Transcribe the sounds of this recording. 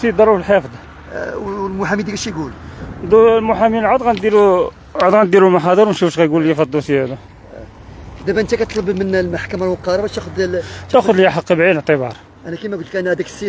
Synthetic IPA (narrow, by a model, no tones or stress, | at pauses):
sid̪ɑɾˤufəlħefd̪ˤ | wlmʊħæmid̪ikæʃiɡuld̪lmʊħæmilʕod̪ˤɣænd̪ilu | ʕod̪ɣænd̪iɾumaħɑd̪ˤəɾmæʃufʃɣæjɡuljæfɑd̪ːusihæd̪u | d̪æbæʔənt̪ækæt̪ˤləbmənlmaħkæmalwəqːɑɾˤɑbæt̪æxʊd̪lt̪æxʊd̪ljæħɑqːibʕid̪əʕt̪ˤəbɑ̰ɾˤ | ʔænækimæɡult̪kænhæd̪æksi